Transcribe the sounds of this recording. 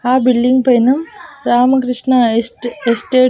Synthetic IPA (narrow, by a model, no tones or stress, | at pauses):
aːbiɭɖiŋɡpɐnɐmɾaːmɐkɾɨʂɳɐesʈeː